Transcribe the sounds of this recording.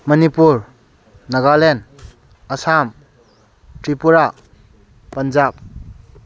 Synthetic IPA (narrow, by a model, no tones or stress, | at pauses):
mʌnipuɾ | nɐɡalen | əsam | tɾipuɾa | pənd͡ʒab̚